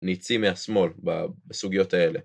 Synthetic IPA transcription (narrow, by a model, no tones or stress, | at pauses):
nit͡simeasmo̞lba̰besuɡijo̞t̪ae̞le̞